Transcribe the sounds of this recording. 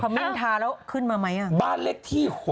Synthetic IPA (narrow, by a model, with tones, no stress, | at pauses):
pʰɔ˧˩mi˦˥˩nt̪ʰaː˧ɾɛː˦˥wkʰɯ˥˩nmaː˧ma˦˥jʔa˧˩baː˥˩nle˦˥k̚t̪ʰiː˥˩ho˨˩